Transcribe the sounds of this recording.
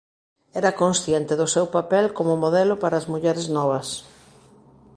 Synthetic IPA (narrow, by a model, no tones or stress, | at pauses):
ɛɾɐkõnsθjɛnt̪ɪðʊsewpapɛlkomʊmoðɛlʊpaɾɐːzmuʎɛɾɪznɔβɐs